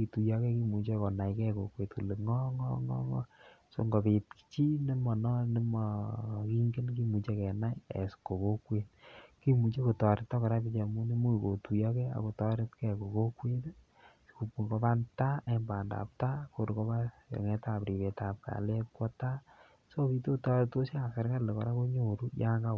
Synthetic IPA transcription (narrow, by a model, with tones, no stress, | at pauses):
i˨tu˨ja˦kɛ˦ki˦mu˨t͡ʃe˦kɔ˨na˨jkɛ˦ko˨kwe˨tku˨le˨ŋɔ˦ŋɔ˦ŋɔ̰˦ŋɔ˦so̰˨ŋɡo˨pe˨t̚ki̥t͡ʃi˦ni˦mɔ˨nɔ˦ni˦mɔ˨ki˦ŋɡe˦nki˦mu˨t͡ʃe˦kɛ˨na˦jḛ˨sko˨ko˦kwe˦t̚ki˦mu˨t͡ʃe˦ko˨tɔ˨ɾɪ˨tːɔ˦kɔ˨ɾa˦pi˦t͡ʃa˨mu˦ni˦mo˦i˨ko˨tu˨jɔ˦kɛ˦a̰˨ko˨tɔ˦ɾɪ˦tkɛ˨ko˨ko˦kwe˦t | sku˨pu˨ŋɡo˦pa˦nta˦˨˦mba˨nda̰˨p̚ta˦ko˨ɾko˦ba˦ | jɔ̰˨ŋɛ˦ta˨pɾi˨be˨ta˨p̚ka̰˨le˦p̚kɔ˦ta˦ | so˦pi˦to˦tɔ˦ɾe˨to˦si˦a˨sa˨ɾka˦le˨kɔ˨ɾa˦ko˦ɲo˨ɾu˦ja˦ŋɡa˦˨